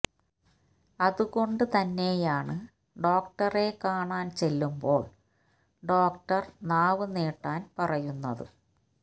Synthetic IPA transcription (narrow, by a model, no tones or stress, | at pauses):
ɐðuɣo̞ɳɖɨt̪ɐnːe̞jaːɳɨ | ɖo̞ːk̚ʈɐrekaːɳaːnt͡ɕelːumbo̞ːɭ | ɖo̞ːk̚ʈɐrnaːʋɨneːʈːaːnpɐrɐjunːɐ̰ðɨ̰